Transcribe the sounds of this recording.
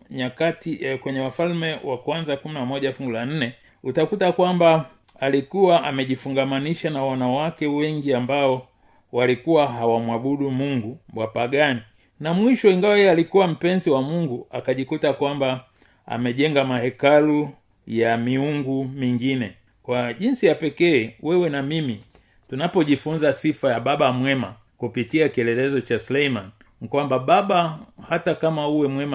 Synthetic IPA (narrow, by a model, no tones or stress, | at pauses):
ɲakatikwɛɲɛwafalmɛwakwanzakuminamɔʄafuŋɡulan̩nɛ | utakutakwamba | alikuwaʔamɛʄifuŋɡamaniʃanawanawakɛwɛŋɡiambaɔ | walikuwaɦawamwaɓuɗumuŋɡumbwapaɡani | namwiʃɔiŋɡawajɛɛalikuwam̩pɛnziwamuŋɡua̰kaʄikutakwamba | a̰mɛʄɛŋɡamahɛkalu | jamiuŋɡumiŋɡinɛ | kwaʄinsijapɛkɛːwʔɛwɛnamimi | tunapɔʄifunzasifajababamwɛma | kupitiakiɛlɛlɛzɔt͡ʃasulɛiman | kwambabaɓahatakamauwɛmwɛma